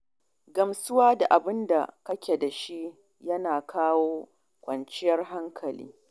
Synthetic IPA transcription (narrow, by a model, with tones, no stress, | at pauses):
ɡɐ˨msʊ˦waː˦da˨ʔa˨bɪ˦nda̰˨kɐ˦kʲe˨da˨ʃi˦ʔ | jɐ˦naː˨kʰaː˦woː˦ | kʷʼɐ˨nt͡ʃɪ˦jɐ˦rɦa˦ŋkʰɐ˨lḭː˦